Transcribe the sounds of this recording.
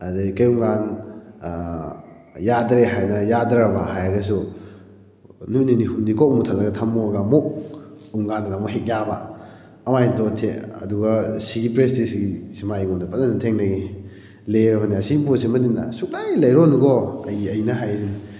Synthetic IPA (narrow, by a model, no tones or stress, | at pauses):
adekɐjuŋɡan | jadɾeɦajnɐjadɾabaɦajaɡɐs̬u | nuninihundikɔk̚mutʰalːɐɡɐtʰamːuɡamok̚ | uŋɡanlamɔɦek̚jaba | ɐmajtɔtʰeɐ̰duɡɐsiɡipɾestisiɡisimaijŋɔndɐpat̚anɐtʰeŋnaɡi | leɾɔɦaniasiɡibosimɐninnɐ̰suk̚lajlɐjɾɔnuɡɔɐjɐjnɐɦajsini